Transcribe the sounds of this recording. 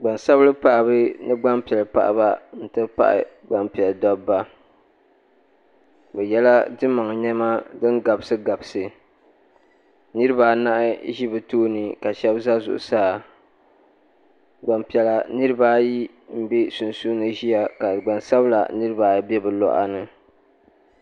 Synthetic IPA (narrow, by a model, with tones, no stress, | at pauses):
ɡ͡ba˨nsa˦blɨ˦paː˦˨bɨ˦nɨ˦ɡ͡ba˦mpi˨ɛ˨lɨ˨pa̰˨ʔba˦n̩˦tɨ˦pa̰˦ʔɪ̰˦˨ | ɡ͡ba˨mpi˨ɛ˨ldɔ˦bːa˦ | bɛ˨jɛ˦la˦dɨ˦ma˨ŋ˨ɲɛ˦ma˦dɨ˦nɡa˨bɨ˦sɨ˦ɡa˨bsɨ˨ | nɨ˦ɾɨ˦ba˨na˦ʔɪ˦ʒi˦bɨ˨toː˦nɨ˨ka˨ʃɛ˦bza˦zʊ̰˨ʔʊ̰˨saː˦ | ɡ͡ba˨mpi˨ɛ˨la˨nɨ˦ɾɨ˦ba˦ji˦ | m̩˦bi˦su˨nsu˦nɨ˦ʒi˦ja˦ka˨ɡ͡ba˨nsa˦bla̰˨nɨ˦ɾɨ˦ba˨bɛ˦bɨ˨lɔ̰˦ʔa̰˦nɨ˨